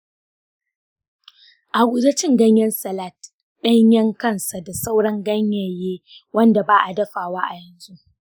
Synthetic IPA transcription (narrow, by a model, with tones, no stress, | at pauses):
ʔa˨ɡʷu˨da˦t͡ʃɪ˦ŋɡɐ˦ɲjɐ˦nsɐ˨la˦˨t | ɗɐ˦ɲjɐ˦ŋkɐ˦˨nsa˨da˨sa˦wɽɐ˦ŋɡɐ˦ɲjɐ˨jeː˦wɐ˦nda˨baː˦ʔa˨dɐ˦ɸaː˨waː˦ʔa˨jɐ˨nzu˦ʔ